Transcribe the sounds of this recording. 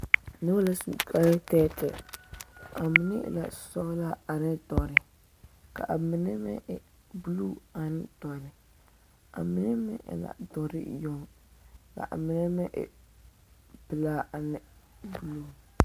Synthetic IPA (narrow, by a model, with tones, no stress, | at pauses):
nɛ˦la˦ska˦tɛː˦tʰɪ̰˨ | a˨mɪ˨nɪ̰˦˨la̰˨sɔ˦la˦a˨nɪ˦dɔ˨ɾɪ˨ | ka̰˨ʔa˨mɪ˨nɛ˦mɛ̰˦ʔɪ˨ | bu˦luː˦a˨nɪ˦d̥ɔ˨ɾɪ˨ | a̰˨mɪ˦nɛ˦mɛ̰˦ʔɪ̰˨la̰˨dɔ˨ɾɪ̰˦jɔ˦˨ŋ | ka̰˨ʔa̰˨mɪ˨nɛ˦mɛ˦ʔɪ̰˨ | b̥ɨ˨laː˦a˨nɪ˨bu˦˨lu˦˨